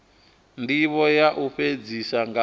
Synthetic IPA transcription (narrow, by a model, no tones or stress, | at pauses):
ndiβɔjaʔuɸed͡zisaŋɡa